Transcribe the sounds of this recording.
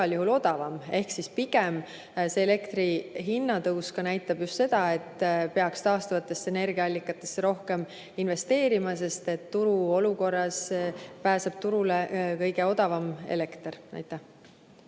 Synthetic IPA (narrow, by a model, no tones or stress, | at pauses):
ɑljuhulo̞d̪̥ɑvɑme̞hksispiɡ̥em | se̞ːle̞kt̪riɦinːɑt̪ɤwskɑnæjt̪ːˑɑb̥just̪se̞d̪̥ɑe̞t̪ːpe̞ɑkst̪ɑːst̪uvɑt̪ːˑe̞sːene̞rɡ̥iɑɑlʲːikːˑɑt̪ːˑe̞sːeɾo̞hke̞m | inve̞st̪e̞ːɾimɑse̞st̪e̞t̪ːuɾuo̞luko̞rːɑspæːseb̥̚t̪uɾulekɤjɡe̞o̞d̪̥ɑvɑme̞̰le̞kt̪rnæ̰jt̪ːˑæh